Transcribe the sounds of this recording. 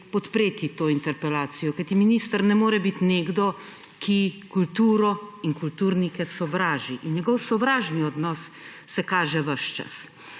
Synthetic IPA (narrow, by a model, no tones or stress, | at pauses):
pɔt̪pɾeːt̪it̪oːint̪ɛɾpɛlaːt̪sijɔkajt̪iminist̪əɾnɛmoːɾɛbit̪neːɡd̪ɔ | kʰikult̪uːɾɔiŋkult̪uɾnikɛsɔʋɾaːʒiʔinɲɛɡɔwsɔʋɾaːʒniɔd̪nɔsː | ɛkaːʒɛʋɐʃt͡ʃa̰s